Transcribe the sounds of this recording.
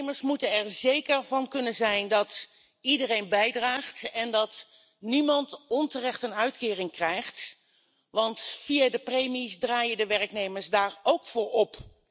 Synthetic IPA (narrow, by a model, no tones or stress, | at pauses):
məɹsmutənɛɹzejkəɹvɑnkɵnənzɛjndɑt | idərejnbɛjdraːχtɛndɑt | nimɑntɔntərɛχtənœɥtkɪːrɪŋkrɛjχt | ʋɑntfijadəprejmisdraːjədəʋɛɹknejməɹsdaːɹowkfʊːɹɔp